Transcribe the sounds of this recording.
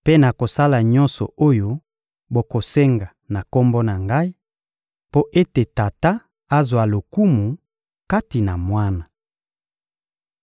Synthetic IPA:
pe˦na˨ko˨sa˦la˨ɲɔ̃˦nsɔ̰˨o˦jo˦ | bo˨ko˨se˦ŋɡa˨ | na˨ko˦mbo˦na˨ŋɡa˦i˦ | po˦ʔe˦te˨ta˨ta˦ | a˦zwa˨lo˨ku˦mu˨ | ka˦ti˨na˨mwa˦na˨

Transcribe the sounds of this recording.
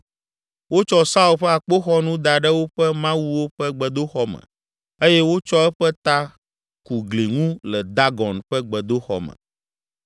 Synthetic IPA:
wo˦t͡ʃɔ˦sa˦u˦˨lɸɛ˦a˨k͡po˦xɔ˦nũ˦d̪a˨ɖɛ˦wo˦ɸɛ˦mã˦wu˦wo˦ɸɛ˦ɡ͡bɛ˨d̪o˦xɔ˦mɛ̰̃˨ | e˦jɛ˦wo˦t͡ʃɔ˦ɛ˦ɸɛ˦t̪a˦ | ku˨ɡle˨ŋũ˦lɛ˨d̪a˦ɡɔ˨nɸɛ˦ɡ͡bɛ˨d̪o˦xɔ̰˨mɛ̰̃˨

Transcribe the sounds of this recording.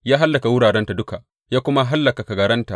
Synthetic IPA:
jaː˦ɦa˦lːa˨ka˨wʊ˦ɽaː˨ɽɛ˦nta˨dʊ˦ka˨ʔ | jaː˦kʷʊ˦ma˦ɦa˦lːa˨ka˨ka˨ɡɐ˨ɽɐ˦nta˨ʔ

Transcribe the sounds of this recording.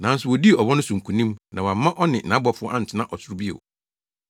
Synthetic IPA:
nã˨˦n̩˦sʊ˨wɔ˨di˦˨ɔ˨wɔ˦nʊ̃˦sũ˨ŋ̩˨kʰũ˨nĩ˦mnã˨wa˨mːã˦ʔɔ˦nɪ̃˨nã˦bɔ˨fʊ˦ɔ˦ʔã˦n̩˨tʰɪ˨nã˦ʔɔ˨sʊ˦ɾu˦bi˦ḛ˨

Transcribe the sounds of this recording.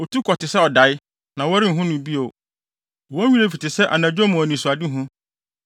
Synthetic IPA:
ɔ˨tʰu˦kʰɔ˨tɪ˨sɛ˦ɔ˨da˨ɪ˦ | nã˨wɔ˦ɾɪ˦˨ɦʊ̃˦nʊ̃˨bi˦o˨ | wɔ˦ɲĩ˦ɾe˦fi˨tɪ˨sɛ˦ʔa˨nã˨d͡ʑᶣo˦mũ˨ɔ˨nĩ˨su˨a˨dɪ˦ɦʊ̃˦

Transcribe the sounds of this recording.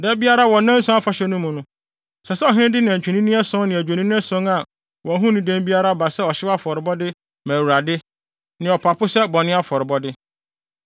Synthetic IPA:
dɛ˦bi˦a˦ɾa˦wɔ˨˦nã˦n̩˦sʊ̃˦a˦fa˨ɕɛ˦nʊ̃˦mũ˨nʊ̃˦ | sɛ˨sɛ˦ɔ˨ɦɪ̃˦nɪ̃˦dɪ˦nɪ̃˨æ̃˨ɲ˨t͡ɕᶣi˨nĩ˦nĩ˦ɛ˦sʊ̃˦ŋnɪ̃˨æ˨d͡ʑᶣe˨nĩ˦nɪ̃˦ɛ˦sʊ̃˦ŋa˨ | wɔ˨˦ɦũ˦nĩ˦˨dæ̃˦m˦bi˦a˦ɾa˦ba˨sɛ˦ɔ˨ɕɪ˦wa˦fɔ˨ɾɪ˨bɔ˦dɪ˦ | mæ̃˨wu˨ɾa˨dɪ˦ | nɪ̃˨ɔ˨pʰa˨pʰʊ˦sɛ˦bɔ˨nɪ̃˦a˦fɔ˨ɾɪ˨bɔ˦dɪ˦

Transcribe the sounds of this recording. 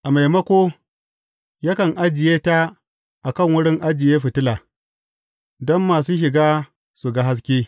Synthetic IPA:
ʔa˨ma˨jmɐ˦kʷoː˦ | ja˦kɐ˨ŋʔa˦d͡ʒɪ˨jeː˦ta˦ | ʔa˨kɐ˦˨ŋwʊ˦ɽɪ˦ŋʔa˦d͡ʒɪ˨jeː˦ɸɪ˨tɪ˦laː˨ | dɔ˦mːaː˨suː˦ʃ̬ɪ˨ɡaː˦ | su˨ɡa˦ɦa˦s̬kʲeː˦

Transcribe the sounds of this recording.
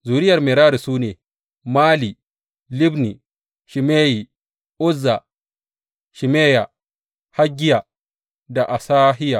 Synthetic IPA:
zuː˨ɾi˦jɐ˨ɾmɛ˨ɾaː˦ɾi˨suː˦neː˨ | maː˦li˨ | li˦bni˨ | ʃi˨meː˦ji˨ | ʔu˦zːa˨ | ʃi˨meː˦ja˨ | ha˦ɡi˦ja˨ | da˨ʔa˨sa˦ɦi˦ja˨

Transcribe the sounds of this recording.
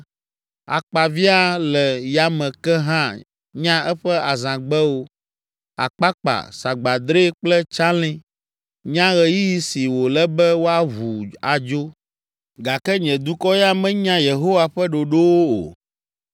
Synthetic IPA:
a̰˨k͡pa˨vi˦a˦lɛ˨ja˨mɛ̃˨kɛ˦ɦã˦ | ɲã˦ɛ˦ɸɛ˦a˨zã˨ɡ͡bɛ˦wo˦ | a̰˨k͡pa˦k͡pa̰˨sa˨ɡ͡ba˨d̪ɾe˦k͡plɛ˦t͡ʃa˦lĩ˦ | ɲã˦ɣɛ˨ji˦ji˦si˨wo˨lɛ˦bɛ˦wo˦a˦vu˨a˨d͡ʒo˦ | ɡa˨kɛ˦ɲɛ̃˨d̪u˦kɔ˦ja˦mɛ̃˦ɲã˦je˨ɦo˦wa˦ɸɛ˦ɖo˨ɖo˦wo˦o̰˨

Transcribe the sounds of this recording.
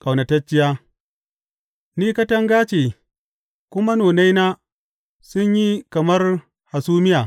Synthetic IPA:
kʼa˨wnɐ˨tɐ˦t͡ʃːɪ˦jaː˦ | niː˦kɐ˦tɐ˦ŋɡaː˦t͡ʃe˨ | kʷʊ˦ma˦noː˨na˦jna˦ | sʊ˦ɲji˦kɐ˨mɐ˦r | ha˨suː˦mɪ˦jaː˨

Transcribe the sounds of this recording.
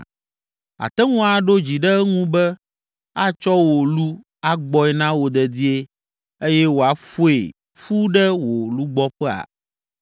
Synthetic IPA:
a̰˨t̪ɛ˦ŋũ˦a˨ɖo˦d͡ʑi˨ɖɛ˦ŋũ˦bɛ˦ | a˦t͡ʃɔ˦wo˨lu˦ | a˦ɡ͡bɔ˦ɛ˨nã˦wo˨d̪ɛ˨d̪i˦e˦ | e˦jɛ˦wo˨a˨fo˦ḛ˨ | ɸu˦ɖɛ˦wo˨lu˦ɡ͡bɔ˦ɸɛ˦a̰˨

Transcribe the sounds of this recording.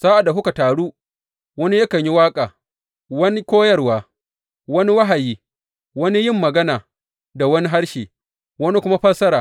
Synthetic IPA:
z̥aː˦ʔa˨da˨ɦʊ˦ka˨taː˨ɽuː˦ | wɐ˦ni˦jɐ˦kɐ˨ɲji˦waː˦kʼaː˨ | wɐ˦ni˦kʷoː˦jɐ˦˨rwaː˨ | wɐ˦ni˦wɐ˦ɦa˨jiː˦ | wɐ˦ni˦jɪ˦mːɐ˨ɡɐ˦naː˨ | da˨wɐ˦ni˦ɦa˦ɽʃiː˨ | wɐ˦ni˦kʷʊ˦ma˦ɸɐ˦sɐ˦ɾaː˨

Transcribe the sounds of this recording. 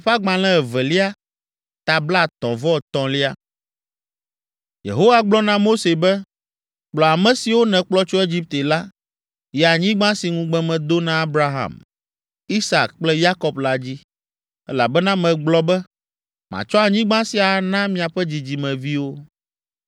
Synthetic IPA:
ɸa˦ɡ͡bã˨lɛ̃˦ɛ˨vɛ˨li˦a˦ | t̪a˨bla˦˨t̪ɔ̃˨vɔ˦˨t̪ɔ̃˨li˦a˦ | jḛ˨ɦo˦wa˨ɡ͡blɔ˦nã˦mo˦se˨bɛ˦ | k͡plɔ˨a˨mɛ̃˨si˨wo˦nɛ̃˨k͡plɔ˦t͡ʃo˦e˦d͡ʑi˦p̚t̪e˨la˦ | jɛ˨a˨ɲĩ˦ɡ͡bã˦si˨ŋũ˦ɡ͡bɛ̃˦mɛ̃˨d̪o˦nã˦a˦bɾa˦ɦa̰˨m | i˦sa̰˨kk͡plɛ˦ja˦kɔ˨bla˦d͡ʑi˦ | ɛ˦la̰˨bɛ˦nã˦mɛ̃˨ɡ͡blɔ˦bɛ˦ | mã̰˨t͡ʃɔ˦a˨ɲĩ˦ɡ͡bã˦si˨a˨˦nã˦mĩ˦a˨ɸɛ˦d͡ʑi˨d͡ʑi˨mɛ̃˨vi˦wo˦

